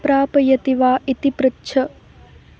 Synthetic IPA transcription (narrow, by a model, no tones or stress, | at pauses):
pɾaːpɐjɐt̪iʋaːʔit̪ipɾɐtːʃʰɐ